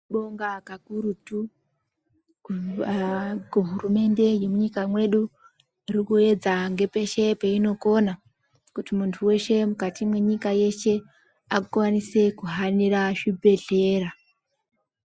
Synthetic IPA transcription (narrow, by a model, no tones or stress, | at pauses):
ɓoŋɡakakuɾutu | kuɦurume̞nde̞je̞muɲikamwe̞ɗu | rikue̞d͡zaŋɡe̞pe̞ʃe̞peino̞ko̞na | kutimuntʰuwe̞ʃe̞mukatimwe̞ɲikaje̞ʃe̞ | akkwanise̞kuɦaniraʐibʱe̞ɮe̞ːɾa